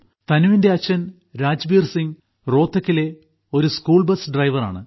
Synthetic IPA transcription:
t̪ɐnuʋinde̞ɐt͡ɕːɐn | ɾaːd͡ʑbiːrsiŋ | ro̞ːt̪ʰːɐkʲːile̞ | o̞ɾuskuːɭbɐsɖrɐjʋɐra̰ːɳɨ̰

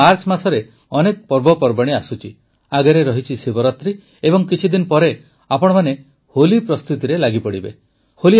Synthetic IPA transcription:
aɾt͡ʃmasɔɾe | ɔnek̚pɔɾbɔpɔɾbaɽ̃iasut͡ʃʰi | aɡeɾeɾɔɦit͡ʃʰisibɔɾɔt̪ɾi | ebɔŋkit͡ʃʰid̪inɔpɔɾe | apɔɽ̃ɔmane | holipɾɔst̪ut̪iɾelaɡipɔɽibe | holi

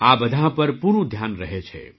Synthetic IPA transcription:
aːbəd̪ʱãɦpəɾpuɾũd̪ʱjaːnɾəɦɛt͡ʃʰɛ̰

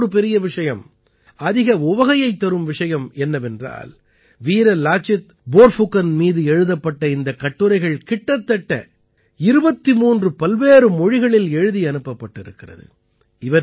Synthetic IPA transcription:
ɾɯp̬ɛɾɪjɐʋɪʂɐjɐm | ɐðɪɣɐʊʋɐɣɐjɐɪt̪ːɐɾɯmʋɪʂɐjɐmɛnːɐʋɛndra̰ːl | ʋiːɾɐlaːt͡ʃɪt̪ | boːɾfʊkːɐnmiːðɯɛɻɯðɐpːɐʈːɐɪnd̪ɐkɐʈːɯɾɐɪɣɐɭkɪʈːɐt̪ːɐʈːɐ̰ | ɪɾɯbɐt̪ːimuːndrɯpɐlʋeːɾɯmɔɻɪɣɐɭɪlɛɻɯðiɐnɯpːɐpːɐʈːɪɾɯ̰kːɪrɐ̰ðɯ̰ | ɪʋɐ

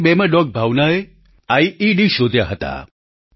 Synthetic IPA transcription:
bemãɖɔk̚bʱaʋnae | aiiɖiʃod̪ʱjaɦət̪a̰

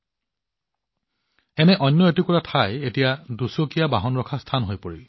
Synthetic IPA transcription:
ɛnɛʔɔnːɔetukɔɹatʰajetijadusokijabaɦɔnɹɔkʰastʰanɦojpoɹil

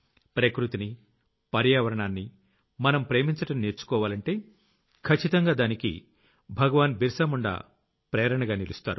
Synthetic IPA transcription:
pɾɐkɾut̪ini | pɐɾjaːʋɐɾɐɳaːnːi | mɐnɐmpɾe̞ːmiɲt͡ʃɐʈɐmneːɾt͡ʃu̥kɔːʋaːlɐɳʈe̞ː | kʰɐt͡ʃːit̪ɐŋɡaːd̪aːnikḭ | bʱɐɡɐʋaːnbʱiɾsɐmuɳɖa̰ː | pɾɛːɾɐɳɐɡaːnilust̪a̰ːɾu

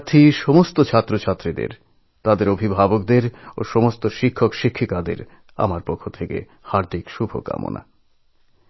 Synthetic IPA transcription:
t̪ʰiʃɔmost̪ot͡ɕʰat̪ːɾot͡ɕʰat̪ːɾid̪ḛɾ | t̪ad̪eɾobʱibʱabokd̪eɾo̰ʃɔmost̪oʃikʰːokʃikʰːikad̪ḛɾ | a̰maɾpokʰːot̪ʰekḛ | haɾd̪ikʃubʱo̰ka̰mo̰nʔa̰

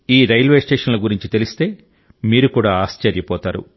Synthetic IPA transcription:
iːɾɐjlʋe̞ːsʈeːʂɐnloɡuɾiɲt͡ʃit̪e̞list̪e̞ː | miːɾukuːɽaːaːst͡ʃɐɾjɐpɔːt̪aːɾṵ

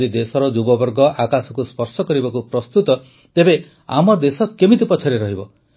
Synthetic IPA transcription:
id̪esɔɾɔd͡ʒubɔbɔɾɡɔʔakasɔkuspɔɾsɔkɔɾibakupɾɔst̪ut̪ɔ | t̪ebe | a̰mɔd̪esɔkemit̪ipɔt͡ʃʰɔɾeɾɔɦibɔ

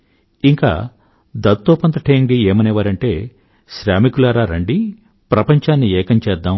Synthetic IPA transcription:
iŋka̰ː | d̪ɐd̪t̪oːpɐnt̪ɐʈʰeːŋɖieːmɐneʋaːɾɐɳʈe̞ː | ʃɾaːmikulaːɾaːɾɐɳɖi | pɾɐpɐɲt͡ʃaːnːiɛːkɐɲt͡ʃɛːd̪ːaːm

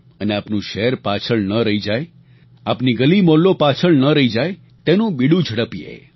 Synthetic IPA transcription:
əneapnũʃɛɾpat͡ʃʰəɭnəɾəɦid͡ʒaj | apniɡəlimolːopat͡ʃʰəɭnəɾəid͡ʒaj | t̪enũbiɽũd͡ʒʱəɽəpiḛ

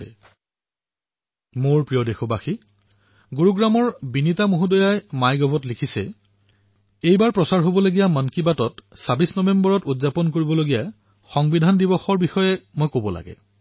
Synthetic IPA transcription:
moɹpɹijɔdexɔbaxi | ɡuɹuɡɹamɔɹbinitamuɦudɔjajmajɡɔbʱɔtlikʰisɛ̰ | ejbaɹpɹɔsaɹɦobɔloɡijamankibatɔtsabisnɔbembɔɹɔtudzapɔnkoɹibɔloɡija | xɔŋbidʱandibɔxɔɹbixɔjɛmojkobɔla̰ɡɛ̰

